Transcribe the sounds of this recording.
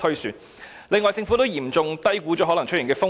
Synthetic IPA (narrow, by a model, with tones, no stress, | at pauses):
ɵ˥ɥsyː˨˧n | lɪ˨ŋːɔː˨˩jt͡sɪ˧ŋfu˨˥t̪o˥wjiː˨˩mt͡sʊ˧ŋt̪ɐ˥jkuː˨˥t͡ʃɔː˨˥ɦɔ˨˥lɐ˨˩ŋt͡ʃ̚ʰjɪ˨˩ŋkɛː˧fʊ˥ŋ